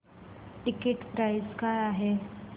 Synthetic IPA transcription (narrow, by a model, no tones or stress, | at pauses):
ʈikeʈpɾajiskajaɦe